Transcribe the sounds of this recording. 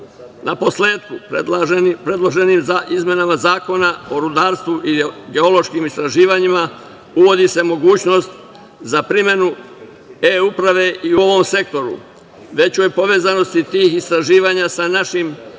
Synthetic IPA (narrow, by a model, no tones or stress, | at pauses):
napo̞sle̞ːt̪ku | pɾe̞d̪lˠo̞ʒe̞niːmzaʔizmje̞namazaːko̞nao̞ɾud̪aːɾst̪ʋuʔiɡe̞o̞lo̞ʃkiːmist̪ɾaʒiːʋaɲima | uʋo̞d̪ise̞mo̞ɡuːt͡ɕno̞st̪ | zapɾime̞nu | eupɾaʋe̞ʔiuo̞ʋo̞mse̞k̚t̪o̞ɾṵ | ʋe̞t͡ɕo̞jpo̞ʋe̞ːzano̞st̪it̪iːxist̪ɾaʒiːʋaːɲasanaʃim